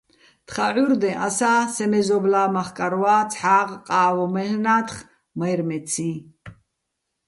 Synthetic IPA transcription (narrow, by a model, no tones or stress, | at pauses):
t̪χaʕuɾd̪ɛ̃ʔasaːsɛmɛzɔblaːmaχkʼaɾwaːt͡sʰʼħaːʁqʼaːwɔmɛhnaːt̪χ | majɾmɛt͡sʰiː